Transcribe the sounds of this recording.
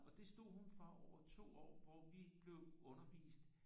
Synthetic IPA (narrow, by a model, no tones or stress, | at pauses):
ɒ̽d̥e̝sd̥o̝ð̰ˠɦunfʁɑ̈ɒʊɐt͡sʰo̝̰ːɒ̰ːʋɒʋib̥le̝ʊɔ̽nɐʋḭːsd̥